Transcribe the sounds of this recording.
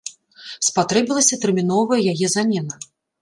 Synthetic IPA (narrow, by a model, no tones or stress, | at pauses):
spat̪ɾɛbʲilˠɐsʲɐt̪ɛrmʲin̪ɔvɐjɐjajɛzamʲɛnɐ